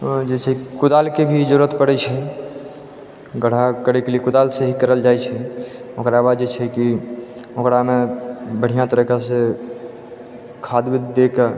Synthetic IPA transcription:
d͡ʒet͡ʃʰɛikud̪alkebʱid͡ʒəɾət̪pəɽɛt͡ʃʰɛ | ɡəɽ̤akəɾɛkelekud̪alseɦikəɾəld͡ʒajt͡ʃʰɛokɾabad̪d͡ʒet͡ʃʰɛki | okɾamebəɽ̤ijãt̪əɾəkase | kʰad̪bed̪eka

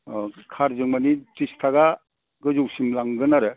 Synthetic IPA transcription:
kʰaɾzɯŋmanitistʰaɡa | ɡɯzuwsimlaŋɡɯnaɾɯ

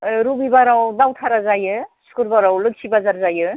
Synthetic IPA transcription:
ɾubibaɾawdawtʰaɾazajɯskuɾbaɾawlɯk̚sʰibazaɾzajɯ

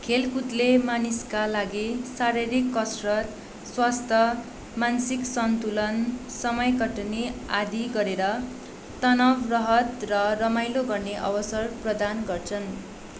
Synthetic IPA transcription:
kʰelkut̪lemaniskalaɡisaɾiɾikːʌsrʌt̪ | swast̪ʰʌ | mansiksʌnt̪ulʌnsʌmʌjkʌʈnia̰d̪iɡʌɾeɾʌ | t̪ʌnʌbrʌɦʌt̪rʌrʌmajloɡʌrneʔʌ̰bʌsʌrprʌd̪anɡʌrt͡sʰʌn

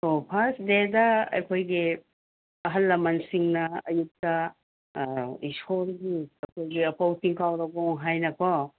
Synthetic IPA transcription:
opʰasdedɐɐ̰jkʰojɡi | ɐɦɐlːɐmɐnsiŋnɐɐjuk̚tɐ | isoɾɡiɐkʰoɡiɐpʰɐwtiŋkʰawɾɐɡɔŋɦajnɐkʰɔ

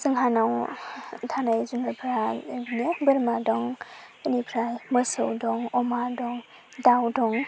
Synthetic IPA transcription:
sɯŋɦanaw | tʰanajzunapʰɾabnebɯɾmadɔŋ | ənipʰɾajmɯsɯwdɔŋɔmadɔŋ | dawdɔŋ

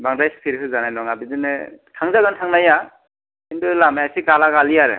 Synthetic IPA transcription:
baŋdajspʰiɾɦɯzanajnɔŋabizɯnɯ̰tʰaŋzaɡɯntʰaŋnaja | inbɯlamajasiɡalaɡalijaɾɯ̰

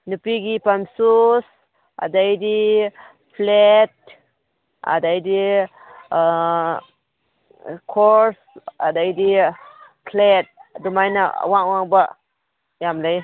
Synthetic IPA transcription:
nupiɡipamsus | a̰dajdi | pʰlet̚ | a̰dajdi | kʰɔɾsa̰dajdi | kʰlet̚dumajna̰waŋwaŋba | jamlaj

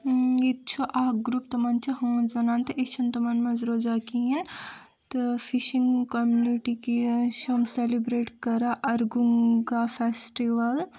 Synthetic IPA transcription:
it̪t͡ʃʰoʔaːɡɾuːpt̪ɐmant͡ʃʰiɦõːnzɐnaːnt̪ɐʔit̪t͡ʃʰunt̪ɐmɐnmɐzɾod͡ʒakiin | t̪ɨfʰiʃĩŋɡkɔmjuniʈikiʃɐmselibɾeːʈkɐɾaʔɐɾɡuŋɡafʰesʈiʋɐl

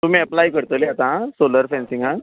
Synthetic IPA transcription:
t̪um̤ĩɛplaikəɾt̪əleat̪ãsoləɾfɛ̃nsĩŋɡã

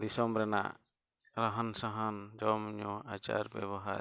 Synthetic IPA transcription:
d̪isɔmɾɛna̰ʔ | ɾaɦansaɦand͡ʒɔmɲɔat͡ʃa̰ɾbɛ̰βɔɦaɾ

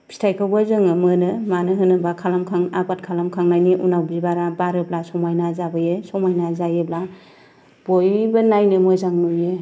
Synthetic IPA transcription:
bʰi̥stʰajkʰawbazɯŋɯmɯnɯmanɯɦɯnɯbakʰalamkʰaŋabat̚kʰalamkʰaŋnajniʔunawbibaɾabaɾɯb̚lasɔmajnazabɯjɯsɔmajnazajɯbla | b̥ojbɯnajnɯmojzaŋnujɯ

